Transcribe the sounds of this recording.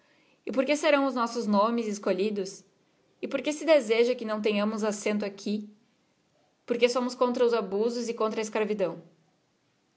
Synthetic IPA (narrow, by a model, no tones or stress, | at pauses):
ɪpoɾkeseɾɐ̃w̃ʊznɔsʊznõmɪzɪskoʎid̪ʊs | ɪpoɾkesɪd̪ezeʒɐkɪnɐ̃w̃t̪̬ẽɲɐ̃mʊzasẽnt̪ʊakʰi | poɾkesõmʊskõnt̪ɾɐʊzabuzʊzɪkõnt̪ɾɐeskɾavid̪ɐ̃w̃